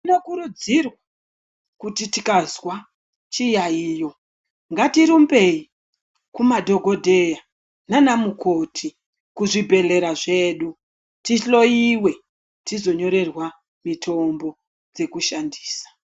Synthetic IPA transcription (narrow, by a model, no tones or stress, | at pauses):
inokuɾud͡zirwa | kutitikazwa | t͡ʃijaijo̞ | ŋɡatiɾumbe̞i | kumadʱo̞ɡʱo̞dʱe̞ja | nanamuko̞tʰi | kuʐibʱe̞le̞ɾaʐe̞ːɗu | tiɬo̞iwe̞ | tizo̞ɲo̞ɾe̞rwa | mitʰo̞mbo̞ | d͡ze̞kuʃandiːsḁ